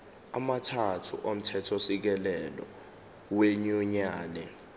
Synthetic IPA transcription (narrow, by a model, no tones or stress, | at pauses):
amatʰatʰṵʔom̩tʰɛtʰosik̬ɛlɛlɔ̰ | weɲuɲaːnɛ